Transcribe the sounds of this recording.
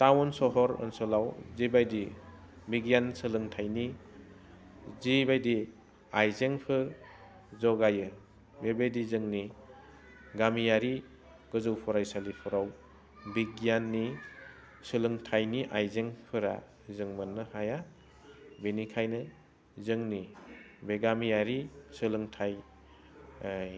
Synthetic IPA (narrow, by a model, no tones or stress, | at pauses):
tawɔnsɔɦɔɾɯ̰nsɔlawzibajdi | biɡijansɯlɯŋtʰajni | zibajdi | ajzeŋpʰɯɾ | zɔɡajɯ | bebedizɯŋni | ɡamijaɾi | ɡ̥ɯzɯwpʰɔɾajsalipʰɔɾaw | biɡjanːi | sɯlɯŋtʰajniʔajzeŋpʰɯɾa̰ | zɯŋmɯnːɯhaja | benikʰajnɯ | zɯŋni | beɡamijaɾisɯlɯŋtʰaj